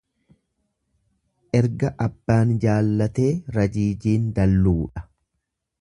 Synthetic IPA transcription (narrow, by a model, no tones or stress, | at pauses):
ʔɛɾɡɐʔɐbːaːnd͡ʒaːlːɐt̪e̞ːɾɐd͡ʒiːd͡ʒiːnd̪ɐlːuːᶑɐ̥